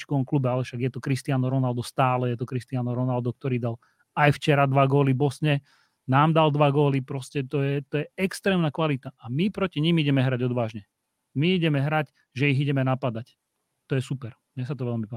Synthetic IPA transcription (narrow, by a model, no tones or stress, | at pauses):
t͡ʃkɔɔmklubɛalɛfʃaɡjɛt̪ɔkɾist̪ɪanɔɾɔnald̪ɔst̪aːlɛjɛt̪ɔkɾist̪ianɔɾɔnald̪ɔk̚t̪ɔɾiːd̪al | ajft͡ʃɛɾad̪ʋaɡʊɔlibɔsɲɛ | naːmd̪ald̪ʋaɡʊɔlipɾɔscɛt̪ɔjɛt̪ɔjɛɛkst̪ɾɛːmnakʋalit̪aʔamipɾɔciɲimiɟɛmɛɦɾaɟɔd̪ʋaːʒɲɛ | miiɟɛmɛɦɾac | ʒɛiɣiɟɛmɛnapad̪ac | t̪ɔjɛsupɛɾmɲɛsat̪ɔʋɛlmipa